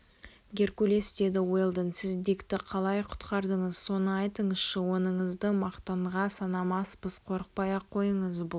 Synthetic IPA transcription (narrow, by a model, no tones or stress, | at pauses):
ɡʲe̞ɾkʲule̞sd̪e̞d̪ɪwelˠd̪ənsɪzd̪ikt̪ɪqʰɑlˠɑjqʰʊ̥t̪qɑɾd̪əɴəz̥so̞nəɑjt̪əɴəz̥ʃɪwo̞nəɴəzd̪əmɑqt̪ɑɴʁɑsɑnɑmɑspəzqʰo̞ɾəq̚pɑjɑqʰːo̞jəɴəzbʊ